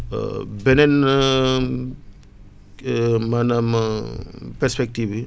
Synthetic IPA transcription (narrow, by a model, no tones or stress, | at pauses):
benen | manam | peɾspek̚tibi